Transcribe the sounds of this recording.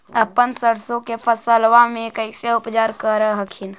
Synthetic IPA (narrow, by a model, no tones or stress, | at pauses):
əpənsəɽsõkepʰəsəlʋamẽkəɪseʊpt͡ʃaːɾkəɾəɦəkʰin